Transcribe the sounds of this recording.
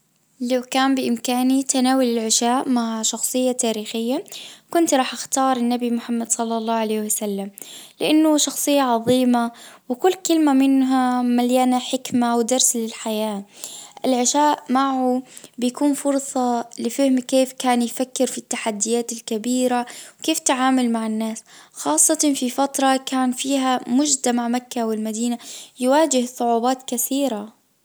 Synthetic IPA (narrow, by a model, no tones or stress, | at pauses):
lawkaːmbɪʔɪmkaːnit̪anaːwalɪlʕɪʃaːʔmaʕʃɑxsˤɨjːat̪aːɾiːxɪjːakʊnt̪ɾˤɑːħʔaxt̪ɑːɾˤɪnːabimʊħamːad̪sˤɑlːɑlˤːɑːhʕaleːhwasalːamlɪʔanːʊʃɑxsˤɨjːaʕɑðˤiːmawɪkʊlːkɪlmamɪnɦamaljaːnaħɪkmawd̪ɑɾˤslɪlħajaːʔɪlʕɪʃaːʔmaʕʊbɪjakuːnfʊɾsˤɑlɪfɪhmkeːfkaːnjfakːɪɾfit̪ːaħad̪ːɪjaːt̪ɪlkabiːɾawkeːft̪aʕaːmalmaʕɪnːaːsxɑːsˤːɑt̪fifat̪ɾˤɑkaːnfiːɦamʊd͡ʒd̪amaʕmakːawɪlmad̪iːnajwaːd͡ʒɪhsˤʊʕuːbaːt̪kaθiːɾa